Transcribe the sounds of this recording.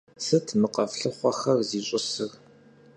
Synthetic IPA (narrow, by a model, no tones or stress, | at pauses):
sɨtʰmɨqɐfɬɨχʷɔxɐrziːɕʼɪsɨr